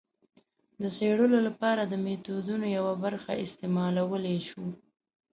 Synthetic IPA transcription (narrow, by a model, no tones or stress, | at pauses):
d̪əseɽəlolapɑɾad̪əmet̪ud̪unojawabaɾxaɪst̪emɑlawəleʃu